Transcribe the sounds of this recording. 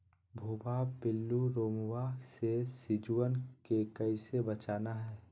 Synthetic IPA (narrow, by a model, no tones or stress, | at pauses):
bʱubaːbbɪlːuɾoːmwaːksesɪd͡ʒuwənkekəɪsebət͡ʃaːnaɦɛː